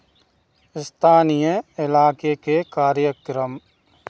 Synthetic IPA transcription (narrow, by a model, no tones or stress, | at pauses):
ɪst̪ʰaːnijəɪlaːkekekaːɾjəkɾəm